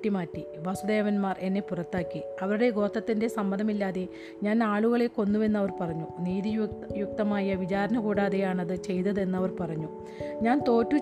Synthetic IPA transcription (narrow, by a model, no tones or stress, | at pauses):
ʈːimaːtːi | ʋɐsud̪e̞ːʋɐnmaːrenːe̞purɐt̪ːaːkːi | ɐʋɐɾuɽe̞ɡo̞ːt̪ːɐt̪ːinde̞sɐmbɐd̪ɐmilːaːðe̞ | ɲaːnaːɭuɣɐɭekːo̞nːume̞nːɐʋɐrpɐrɐɲːuniːðijujuk̚t̪ɐmaːjɐʋit͡ɕaːɾɐnɐkuːɽaːðe̞jaːɳɐðɨt͡ɕe̞jt̪ɐðe̞nːɐʋɐrpɐrɐɲːu | ɲaːnt̪o̞ːtːu